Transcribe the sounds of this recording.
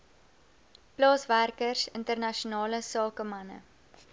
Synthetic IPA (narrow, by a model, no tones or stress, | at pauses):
plɑːsværkərsəntərnɐʃunɑːləsɑːkəmɐnə̰